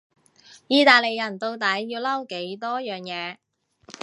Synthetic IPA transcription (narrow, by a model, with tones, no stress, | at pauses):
jiː˧t̪aː˨˧jle˨jːɐ˨˩nt̪o˧wt̪ɐ˨˥jːiː˧wlɐ˥wke˨˥jt̪ɔː˥jœː˨ŋjɛː˨˧